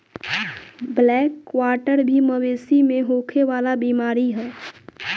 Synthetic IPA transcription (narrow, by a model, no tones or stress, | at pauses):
blɛːkʋaːʈəɾbʱiməweːsimẽɦoːkʰeʋaːlabiːmaːɾiɦɛː